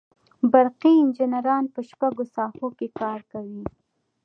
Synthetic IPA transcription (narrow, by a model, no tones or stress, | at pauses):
baɾqiɪnd͡ʒɪnaɾɑnpəʃpaɡosɑhokekɑɾkawi